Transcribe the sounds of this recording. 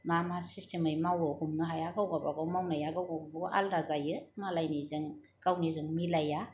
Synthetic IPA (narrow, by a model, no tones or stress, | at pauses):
mamasistʰemɯjmawɯkumnɯɦajaɡawɡabaɡawmawnajaɡawɡawɡabaʔa̰ldazajɯmalajnizɯŋ | kawnizɯŋmilaja